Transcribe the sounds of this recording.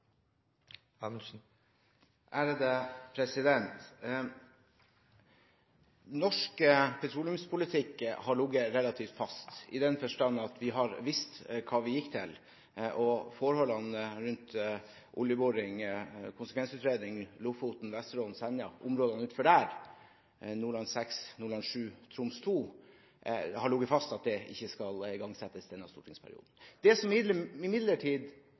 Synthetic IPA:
m̩ | ʔæɾd̪ɛpʰɾɛsɪd̪ɛnt̪ | nɔʂkəpʰɛt̪ʰɾuːlʉmspʰʊlɪt̪ʰɪkːhɑɭʊɡːəɾɛlɑt̪ʰiːft̪fɑst̪ɪ̰d̪ɛnfœʂʈɑnːɑt̪ʰʋɪɦɑɾʋɪst̪kʰɑːʋɪjɪkːt̪ʰɪ̰l | ʔɔfɔɾhɔlɑnəɾʉnt̪ | ʔʊljəboːɾɪŋkʰʊnsəkʰʋɛnsʉːt̪ɾeːd̪ɪŋlʊfut̪n̩ʋɛst̪əɾoːln̩sɛnɑʔʊmɾoːd̪ɑnʉːt̪fɔɖæɾ | nʊlɑnsɛksnʊlɑnʂʉːt̪ʰɾʊmst̪ʰuː | hɑɭʊɡəfɑst̪ɑt̪̚d̪ɛɪ̰çːəskɑlɪɡɑŋsɛt̪ːəsd̪ɛnːɑst̪uːʈʰɪŋspʰæ̰ɾɪ̰ṵːd̪n̩d̪̥ɛsɔməɪmɪd̪ləʈʰiːd̪

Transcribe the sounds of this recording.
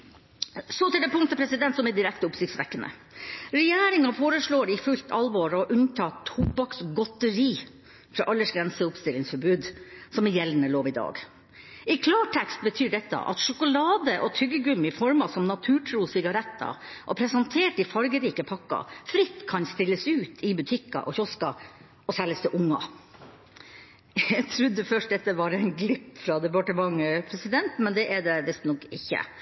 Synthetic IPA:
sɔt̪ɪɖɛpʰʊŋt̪əpʰɾɛsɪd̪ɛnt̪sɔmɛd̪ɪɾɛkt̪əʊpsɪkt̪sʋɛkːənə̰ | ɾɛjæːɾɪŋɑfoːɾəʂɭoːɾɪfʉlt̪ʰɑlʋoːɾɔʔʉnt̪ʰɑːt̪ʰubɑksɡɔt̪əɾiː | fɾɑ̰ʔɑlːəʂɡɾɛnsəʊpst̪ɪlːɪŋsfɔɾbʉːd̪sɔmɪjɛlnəloːʋɪd̪ɑ̰ːɡ | ɪkʰlɑːʈʰɛkst̪̚bət̪ʰyːɖɛt̪ːɑ̰ʔɑ̰t̪ʂʊkʊlɑːd̪əʔɔt̪ʰʏɡəɡʉmɪfɔɾmɑsɔmnɑt̪ʰʉːʈʰɾuːsɪɡɑɾɛt̪ːɑ̰ʔɔpʰɾɛsɑnt̪ʰeːʈɪfɑɾɡəɾiːkəpʰɑkːɑ̰fɾɪt̪ːkʰɑnst̪ɪlːəsʉːt̪ʰɪbʉt̪ʰɪkːɑ̰ʔɔçɔskɑ | ɔsɛləst̪ɛʔʊŋːɑ̰ | jt̪ʰɾʉd̪ːəfœʂʈd̪ɛt̪ːəʋɑɾɛɪnɡlɪpːfɾɑd̪ɛpɑʈəmɑŋːəpʰɾɛsɪd̪ɛnt̪mɛnd̪ɛʔɛɖɛʋɪst̪nɔkɪçːə̰

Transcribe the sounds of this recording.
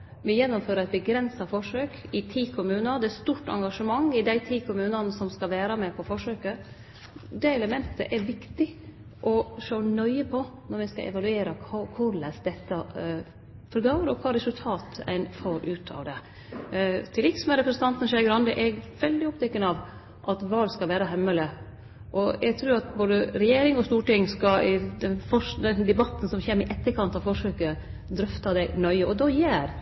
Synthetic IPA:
ʋɪjɛnːʊmføːɾəɾɛɪt̪̚bəɡɾɛnsɑfɔʂøːkɪt̪ʰiːkʰʊmʉːnɑd̪ɛæst̪uːʈɑ̰ŋɡɑʂəmɑŋɪd̪æɪt̪ʰiːkʰʊmʉːnɑnəsɔmskɑʋæːɾɑmɛpʰɔfɔʂøːkə | d̪ɛɛləmɛnt̪ʰə̰ʔɛɾʋɪkt̪ɪ | ʔɔʂoːnœʏəpʰɔnɔɾʋɪskɑ̰ʔɛ̰ʋɑlʉeːɾɑkʰːkʰʊɾlæsd̪ɛt̪ːə | fɔɾɡɑəɾɔkʰɑːɾɛsʉlt̪ʰɑːt̪æ̰ɪnfoːɾʔʉːt̪ʰɑ̰ːʋd̪ɛ | t̪ʰɪlɪksmɛɾɛpɾəsən̩t̪ɑnt̪ən̩ʂɛɡɾɑnd̪əʔɛɡʋɛld̪ɪɔpt̪ʰɛkːənɑʋ | ʔɑt̪ʋɑːlskɑlʋæːɾɑɦɛmːələ | ʔɔʔɛɡ̚t̪ʰɾʉːɾɑt̪boːd̪əɾɛjeːɾɪŋɔst̪uːʈɪŋːskɑɪd̪ɛnfɔʂd̪ɛnd̪ɛbɑt̪ːn̩sɔmçeːmɪʔɛt̪ːəkʰɑnt̪ɑfɔʂøːkə | d̪ɾʏft̪ɑd̪æɪnœʏəɔd̪ɔjæːɾ

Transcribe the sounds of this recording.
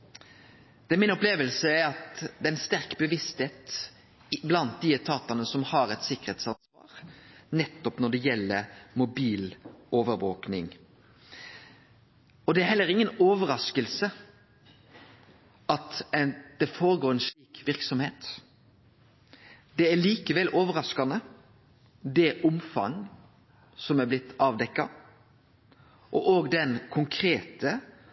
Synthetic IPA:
d̪̥ɛæmɪnɔpleːʋəlsəæɾɑt̪d̪ɛɛnst̪æɾkbəʋɪst̪heːt̪ | blɑnt̪̚d̪ɪɛt̪ʰɑːt̪ɑnəsɔmhɑɾɛt̪sɪkːəɾeːt̪sɑnsʋɑ̰ːɾnɛt̪ːɔpnɔɖ̪ɛjɛlːəɾmʊbiːloːʋəɾʋoːknɪŋ | ɔd̪ɛæɾɦɛlːəɾɪŋːənoːʋəɾɑskəlsə | ɑt̪d̪̥ɛfoːɾəɡoːɾɛnʂliːkʋɪʁksɔmheːt̪ | d̪̥ɛæɭiːkəʋɛlʔoːʋəɾɑskɑnə | d̪ɛʔʊmfɑ̰ŋ | sɔmæblɪt̪ːɑːʋd̪ɛkːɑ | ʔɔʔoːɡd̪ɛnkʰʊŋkʰɾeːt̪ə

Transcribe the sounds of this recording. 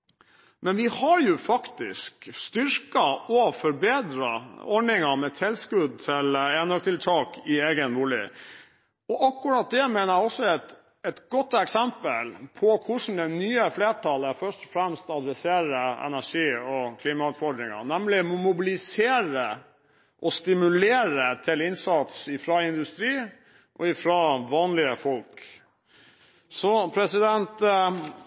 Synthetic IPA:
mɛnʋɪhɑɾjʊfɑkt̪ɪ̰skst̪ʏɾkɑɔfɔɾbeːd̪ɾɑ̰ɔɖɪŋɑmɛt̪ʰɪlskʉd̪̚t̪ʰɪlɛnøk̚t̪ʰɪlt̪ʰɑːkʰɪeːɡənʋuːlɪ̰ | ɔʔɑkːʉɾɑːt̪̚d̪ɛmeɪnəɾæɪɔsːɔɛt̪ | ɛt̪ɡ̥ɔt̪ːɛksɛmpəlpʰɔkʰʊʂn̩d̪ɛnyːəfleːʈʰɑləfœʂʈɔ̥fɾɛmst̪ɑd̪ɾɛseːɾəɛ̰næʂiːɔkʰliːmɑʉːt̪fɔɖ̪ɾɪŋɑ̰nɛmlɪmɔmʊbɪlɪseːɾə | ʔɔst̪ɪmʉleːɾət̪ʰɪlɪnsɑt̪sɪfɾɑɪnd̪ʉst̪ɾiː | ʔɔɪfɾɑʋɑːnlɪəfɔlk | sɔpʰɾɛsɪd̪ɛnt̪

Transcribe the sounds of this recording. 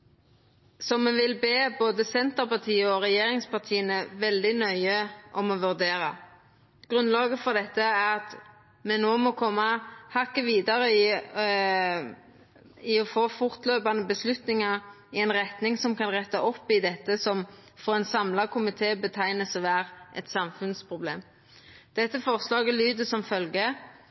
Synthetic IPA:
sɔmːɛʋɪlbeːboːd̪əsɛnt̪əɾpɑʁt̪ʰiːɔʁɛjeːɾɪŋspɑʁt̪ʰiːənɛʋɛld̪ɪnœʏəʔɔmɔʋʉʁd̪eːɾɑ | ɡ̥ʁʉnlɑːɡəfɔʁd̪ɛt̪ːəæʁɑt̪ | mɛnoːmɔkʰɔmːɑhɑkːəʋiːd̪ɑɾə | ɪɔfoːfʊʁt̪løːpɑnəbəslʉt̪nɪŋɑʁ | ɪɛnʁɛt̪nɪŋsɔmkɑnʁɛt̪ːɑʔɔpːɪd̪ɛt̪ːəsɔmfɔʁɛnsɑmlɑkʰʊmɪt̪ʰeːbət̪ʰæɪnəsɔʋæːʁʔɛ̰t̪sɑmfʉnspʰʁʊblḛːm | d̪̥ɛt̪ːəfɔʁslɑːɡəlyːd̪əsɔmfœlɡə

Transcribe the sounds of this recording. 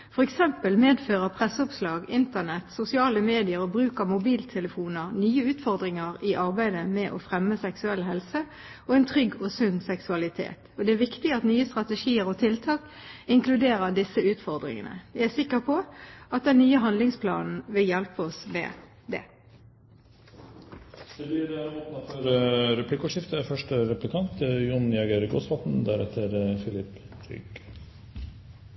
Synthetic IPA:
fɔʁɛksɛmpəlmeːd̪føːʁəpʰʁɛsːʊpslɑːɡɪnt̪əʁnɛt̪sʊsɪɑːləmeːd̪ɪəɾɔbʁʉːkəmʊbiːlt̪ʰɛləfuːnəʁnyːəʉːt̪fɔʁd̪ʁɪŋəʁɪʔɑʁbæɪd̪əmɛʔɔfʁɛmːəsɛksʉɛlɦɛlsə | ɔɛɪnt̪ʰʁʏɡːɔsʉnːsɛksʉɑlɪt̪ʰḛːt̪ɔd̪ɛæʋɪkt̪ɪɑt̪nyːəst̪ɾʁɑt̪əʂiːəɾɔt̪ʰɪlt̪ʰɑːkɪŋklʉd̪eːʁəʁd̪ɪsəʉːt̪fɔʁd̪ʁɪ̰ŋə̰nə̰ʋɪæsɪkːəʁpʰɔɑt̪̚d̪ɛnːyːəɦɑnd̪lɪŋspʰlɑ̰ːnn̩ʋɪljɛlpəɔsmɛ̰ | d̪ɛ̰ | d̪̥ɛbliːd̪ɛæɾɔpnt̪fɔɾəɾɛpʰliːkʊʂɪft̪əfœʂʈəɾɛplɪkʰɑnt̪jʊnjɛɡəɾɡo̰sʋɑt̪nd̪æɾɛ̰t̪ʰːəɾfɪlɪpː | t̪ʰɪ̰ɡ

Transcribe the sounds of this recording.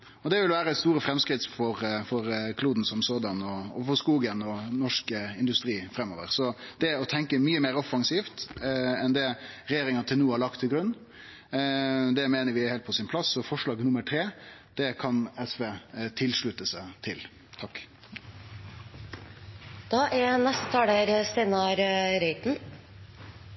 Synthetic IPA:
ɔd̪ɛʋɪlʋæːɾəst̪uːɾəfɾɛmskɾɪt̪fɔɾfɔɾkʰluːd̪n̩sɔmsoːd̪ɑnɔɔ̰fɔskuːɡənɔnɔʂkəɪnd̪ʉst̪ɾiːfɾɛmːɔ̰ːʋə̰ɾsɔd̪̥ɛɔt̪ʰɛŋkəmyːəmeːɾɔfɑŋsiːft̪ɛnd̪ɛɾɛjeːɾɪŋɑnət̪ʰɪlnuːhɑɭɑk̚t̪ʰːɪlɡɾʉnː | d̪ɛmeːnəɾʋɪheːlt̪̚pʰɔsɪnpʰlɑsɔfɔʂɭɑːɡnʊməʈʰɾeː | d̪̥ɛkʰɑnɛsʋeːt̪ʰɪlʂɭʉt̪əsət̪ʰɪl | t̪ʰɑkː | d̪̥ɑːʔænɛst̪ət̪ʰɑːd̪eɾst̪eɪnɑɾɾeɪt̪n̩

